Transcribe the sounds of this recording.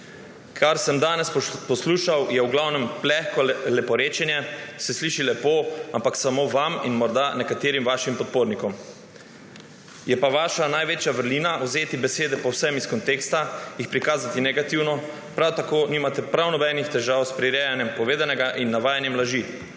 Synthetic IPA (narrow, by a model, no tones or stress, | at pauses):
kʰaɾsəmd̪aːnɛspɔsluːʃawjɛwɡlawnɛmplɛxkɔlɛpɔɾeːt͡ʃɛnjɛsɛsliʃilɛpoːampaksamoʋaminmɔɾd̪anɛkat̪eːɾimʋaːʃimpɔt̪̚poːɾnikɔm | jɛpaʋaːʃanajʋeːt͡ʃjaʋəɾliːnawzeːt̪ibɛseːd̪ɛpɔwsɛmiskɔnt̪eːkst̪ajixpɾikaːzat̪inɛɡat̪iwnɔ | pɾawt̪akoniːmat̪ɛpɾawnɔbɛnixt̪ɛʒaːwspɾiɾɛːjanjɛmpɔʋeːd̪anɛɡaʔinːaʋaːjanjɛmlaʒi